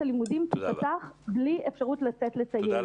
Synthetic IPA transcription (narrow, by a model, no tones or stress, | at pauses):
alimudimkipataχbliefʃaʁutlat͡setle̞t͡saje